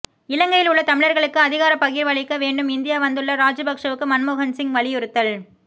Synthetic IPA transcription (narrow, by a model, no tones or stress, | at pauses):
ɪlɐŋɡɐjɪlʊɭːɐt̪ɐmɪɻɐɾɣɐɭɯkːɯɐðɪɣaːɾɐpɐɣɪɾʋɐɭɪkːɐʋeːɳɖɯmɪnd̪ɪjaːʋɐnd̪ɯɭːɐɾaːd͡ʒɯbɐkʂɐʋɯkːɯmɐnmoːɣɐnsɪŋɡʋɐɭɪjʊɾɯt̪ːɐl